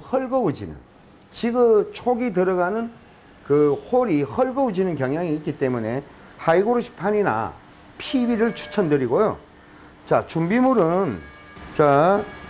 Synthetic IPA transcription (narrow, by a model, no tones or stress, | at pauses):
hʌɭɡʌud͡ʑḭnɯ̰n | t͡ɕiɡɯt͡ɕʰoɡitɯɾʌɣanɯn | kɯhoɾihʌɭɡʌud͡ʑinɯnkjʌŋjaŋiːt̚k͈it͈e̞mune̞ | haiɡoɾoɕʰi̥pʰaɲina̰ | pʰibiɾɯɭt͡ɕʰu̥t͡ɕʰʌndɯɾiɡojo̰ | t͡ɕat͡ɕumbimuɾɯn | t͡ɕa